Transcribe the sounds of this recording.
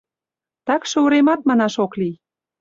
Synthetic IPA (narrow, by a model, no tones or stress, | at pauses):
t̪ɑkʃəuɾemɑt̪̚mɑnɑʃoklij